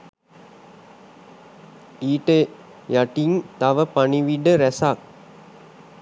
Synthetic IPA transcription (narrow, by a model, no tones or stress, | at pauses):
iːʈə | jaʈiŋt̪aʋəpaniʋiɖəɾæsak̚